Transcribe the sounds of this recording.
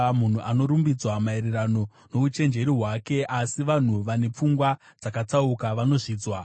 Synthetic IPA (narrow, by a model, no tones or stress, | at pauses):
mun̤uʔano̞ɾumbid͡zwamaeɾerano̞ | no̞ut͡ʃe̞nd͡ʒe̞ɾiɦwake̞asiʋan̤uʋane̞p͡fuŋɡwa | d͡zakat͡saukaʋano̞ʐiːd͡zwa